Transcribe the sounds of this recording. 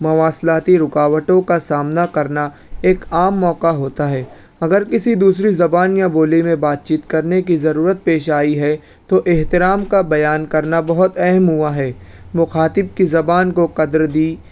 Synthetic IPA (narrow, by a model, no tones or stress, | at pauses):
mɐʋaːslaːt̪iɾʊkaːʋəʈõkasaːmnakɐɾna | eːkaːmːɔːkaɦoːt̪aɦɛː | ɐɡəɾkɪsid̪uːsɾizɐbaːnjaboːlimẽbaːt̪̚t͡ʃiːt̪kɐɾnekizɐɾuːɾət̪̚peːʃaːiɦɛ | t̪oʔɪɦt̪ɪɾaːmkabɐjaːnkɐɾnabɐɦʊt̪ɛɦɛmɦʊaɦɛːmʊxaːt̪ɪb̚kizɐbaːnkoqɐd̪ɾd̪iː